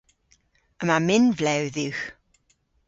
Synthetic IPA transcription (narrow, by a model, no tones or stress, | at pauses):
əmamɪnvlɛwðiwx